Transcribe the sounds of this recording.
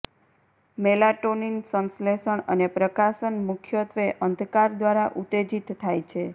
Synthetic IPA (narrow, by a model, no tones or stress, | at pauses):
melaʈoninsə̃nsleʃəɳənepɾəkasənmʊkʰjət̪ʰʋeʔənd̪ʱkaɾd̪ʋaɾaʔut̪ed͡ʒit̪ʰːajt͡ʃʰe